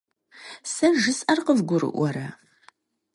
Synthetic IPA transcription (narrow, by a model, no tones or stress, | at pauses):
sɐʒɨsʼɐrqəvɡʷʊɾɨ̰ʔʷɔɾɐ